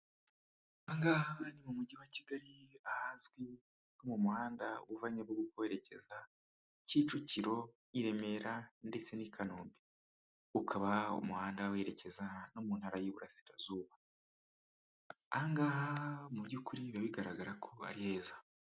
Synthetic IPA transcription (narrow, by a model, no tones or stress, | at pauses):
aŋɡaːhanimumuɟiwaciɡaɾiahazɡwi | nomumuhaːndaṵβuvaɲaβɡoɡukoweɾe̞ce̞za | ciːt͡ʃuciɾo̞ | iɾe̞me̞ɾande̞t͡se̞nikʰanuːmbi | ukʰaβaṵmuhaːndaweɾe̞ce̞zanomuːnhaɾajiβuɾasi̥ɾazuːβa | aŋɡaːhamuβɟukuɾiβaβiɡaɾaɡaɾakʰoa̰ɾihe̞ːza